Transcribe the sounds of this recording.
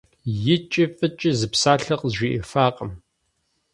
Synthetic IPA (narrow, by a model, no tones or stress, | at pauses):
jɪt͡ʃʼɪfʼɨt͡ʃʼɪzɨpsaːɬɐqʼzʒʷiʔɪ̰faːqʼəm